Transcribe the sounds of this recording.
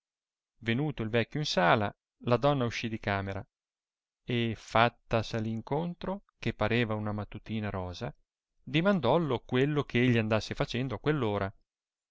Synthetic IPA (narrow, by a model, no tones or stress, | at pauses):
venuːt̪oilvɛkʲːjoinsaːla̰ | lad̪ɔnːauʃːid̪ikaːmeɾa̰ | efat̪ːasaliŋkont̪ɾokepːaɾeːvaunamat̪ːut̪iːnaɾɔːza | d̪imand̪ɔlokwelːokʰeeʎːiand̪asːefat͡ʃɛnd̪oakːwelːoːɾʔa